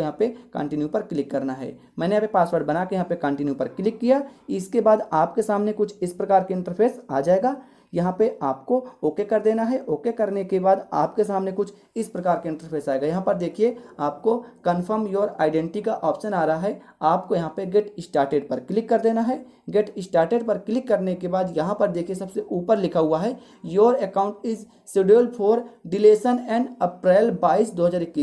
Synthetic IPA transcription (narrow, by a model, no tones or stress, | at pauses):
jɦãpekə̰̃ɳʈɪnjupɐɾklɪkːɐɾnaɦɛ̰ː | mɛ̃ːneɐbepaːswəɾɖbɐnakejɐɦãpekə̃ɳʈɪnjupɐɾklɪkːijaɪskebaːd̪aːpkesaːmnekʊt͡ʃʰɪspɾɐkaːɾkeɪ̃ɳʈəɾpʰeːsa̰ːd͡ʒaːeːɡaː | jɐɦãpeʔaːpkooːkekɐɾd̪eːnaɦɛʔoːkekɐɾnekebaːd̪aːpkesaːmnekʊt͡ʃʰ | ɪspɾɐkaːɾkeɪ̃ɳʈəɾpʰeːsaːeɡajɐɦãpɐɾd̪eːkʰieaːp̚kokənfʰəɾmjoːɾa̰ːɪɖɛ̃ːɳʈikaʔɔːpʃənaːɾaɦaɦɛ | aːpkojɐɦãpeɡeʈɪsʈaːɾʈeːɖpɐɾklɪkːəɾd̪eːnaɦɛ | ɡeʈɪsʈaːɾʈeːɖpəɾklɪkːəɾnekebaːd̪jɐɦãpəɾd̪eːkʰiesɐbseʔuːpəɾlɪkʰaɦuaɦɛː | joːɾekãːʊ̃ɳʈɪz | sɪɖiəlpʰoːɾɖɪleːsənɛ̃ːɳɖəpɾɛːlbaːiːsd̪oːɦəzaːɾɪkːiːs